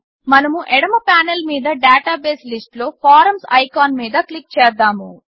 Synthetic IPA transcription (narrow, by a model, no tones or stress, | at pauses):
mɐnɐmuʔɛɽɐmɐpaːnelmiːd̪ɐɖaːʈaːbeːslisʈlo̞ːpʰaːɾɐmsɐ̰jkaːnmiːd̪ɐklik̚t͡ʃɛːd̪aːmu